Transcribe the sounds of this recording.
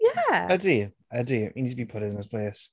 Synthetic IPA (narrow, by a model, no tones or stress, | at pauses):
jæədi | ədiəiniːd̚tʰəbipʰʊɾɪnɪspʰl̥eːs